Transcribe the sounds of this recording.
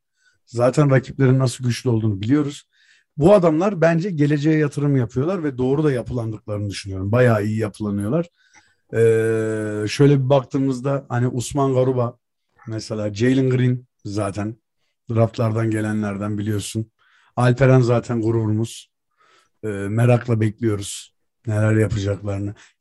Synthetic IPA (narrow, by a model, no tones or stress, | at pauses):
zaːt̪ʰænɾacʰiplʲe̞ɾinːasɯlˠɟyt͡ʃlʲyo̞lˠd̪uːnɯbilʲijo̞ɾuz̥ | buad̪amlˠaɾbænd͡ʒɛɟe̞lʲe̞d͡ʒejɛjat̪ʰɯɾɯmjapʰɯjo̞lˠaɾvɛd̪o̞ːɾud̪ajapʰɯlˠand̪ɯklˠaɾɯnɯd̪yʃynyjo̞ɾumbajaːijijapʰɯlˠanɯjo̞lˠaɾ̥ | ɛː | ʃø̞jlʲɛbibak̚t̪ʰɯːmɯzd̪ahaniʔusmanɡaɾuba | mɛse̞lʲaːd͡ʒejlʲiŋɡɾin | zaːt̪ʰæn | d̪ɾaft̪lˠaɾd̪anɟe̞lʲænlʲæɾd̪ænbilʲijo̞ɾsun | alʲpeɾænzaːt̪ʰænɡuɾuɾumuz̥ | ɯːme̞ɾaklˠabɛclʲijo̞ɾuz̥ | ne̞lʲæɾjapʰɯd͡ʒaklˠaɾɯnɯ